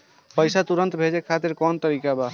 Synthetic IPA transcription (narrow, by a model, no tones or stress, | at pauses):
pəjsat̪uɾənt̪bʱed͡ʒekʰat̪iɾkɔnt̪əɾikaba